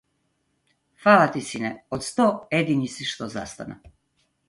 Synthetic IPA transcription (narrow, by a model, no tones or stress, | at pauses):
xfaːlˠat̪isinɛot̪st̪ojed̪inisiʃt̪oza̰st̪a̰na̰